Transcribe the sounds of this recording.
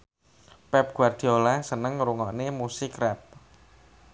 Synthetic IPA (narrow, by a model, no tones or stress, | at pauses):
pɛp̚ɡ̥ward̪̥i̤olasənəŋɾuŋɔnemusɪkrɛp̚